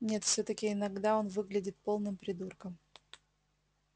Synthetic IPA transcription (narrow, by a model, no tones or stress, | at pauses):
nʲe̞t̪fsʲot̪əkʲɪɪnɐɡd̪ao̞nvɨɡlʲɪdʲɪt̪̚po̞lˠnɨmpɾʲɪd̪urkəm